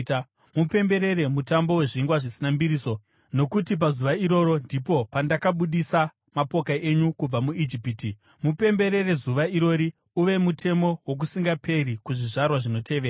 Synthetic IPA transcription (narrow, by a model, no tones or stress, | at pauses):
mupe̞mbe̞ɾe̞ɾe̞mutambo̞we̞ʐiŋɡwaʐisinambiɾiːso̞ | no̞kutip̬azuʋaiɾo̞ːɾo̞ndipo̞pandakaɓuɗisa | mapo̞kae̞ɲukub͡vamuid͡ʒipiti | mupe̞mbe̞ɾe̞re̞zuʋaiɾo̞ːɾi | uʋe̞mutʰe̞mo̞wok̬usiŋɡapʰe̞rikuʐiʐarwaʐino̞te̞ʋeɾa